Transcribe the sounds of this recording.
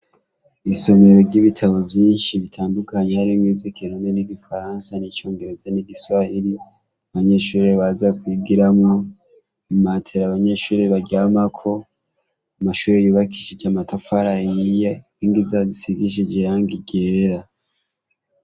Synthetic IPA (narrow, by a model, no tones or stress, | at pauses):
isomeɾo̞ɾɟiβitʰaβo̞vjiːnʃiβitʰaːndukaɲehaɾimɡivjokinoneniɟifaɾansanit͡ʃoːŋɡeɾod͡ʒaniɡisahiɾi | aβaɲe̞ʃuːɾeβazakwiɡiɾamŋo | imatʰeɾaβaɲe̞ʃuːɾeβaɟaːmakʰo̞ | amaʃuːɾejuːβaki̥ʃid͡ʒamatofaɾajijeniŋɡizazisiɡiʃ̬id͡ʒeɾaŋɡiɟeːɾa